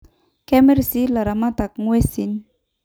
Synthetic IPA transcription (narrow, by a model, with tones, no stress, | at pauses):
kɛmɛ˦rsi˦la˨ɾa˨ma˦t̪a˨k̚ŋwesi˨n